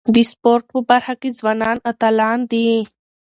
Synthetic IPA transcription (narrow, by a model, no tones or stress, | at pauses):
d̪ispoɾʈ̚pəbaɾxakizwɑnɑːnat̪alɑːnd̪i